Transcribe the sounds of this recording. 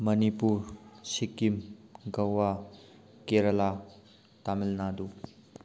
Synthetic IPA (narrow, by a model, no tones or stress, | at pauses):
mɐnipuɾsikːimɡɐwwa | keɾɐla | t̪amilnad̪u